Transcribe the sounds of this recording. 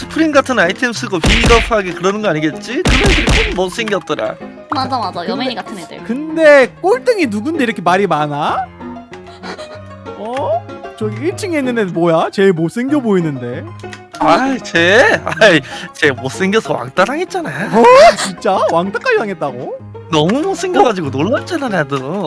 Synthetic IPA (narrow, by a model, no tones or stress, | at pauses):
sʰɯ̥pʰɯɾiŋɡatʰɯnaitʰems͈ʰɯɡopʰiɡiɡʌpʰɯɦaɡekɯɾʌnɯnɡʌaɲiɡe̞t̚t͡ɕ͈itɯmentɯɾikonmʌs͈e̞ŋɡjʌt̚t͈ʌɾa̰ | mad͡ʑmaʌjmeiɡatʰɯḛkɯnde̞k͈oɭt͈ɯŋinuɡunde̞iɾʌkʰe̞maɾimana | ʌt͡ɕʌɡiiɭt͡ɕʰiŋenːɯnenmwʌjat͡ɕe̞ɭmos͈ʰeŋɡjʌboinɯnde̞ | ait͡ɕeait͡ɕe̞mos͈eŋɡjʌsʰʌwa̰ŋt͈aɾɦaɡe̞t̚t͡ɕ͈anajoʌt͡ɕint͡ɕ͈awaŋt͈ak͈ad͡ʑiwaŋe̞t̚t͈aɡo | nʌmumos͈ʰeŋɡjʌɡad͡ʑiɡonoɭmant͡ɕ͈ʰenanadɯ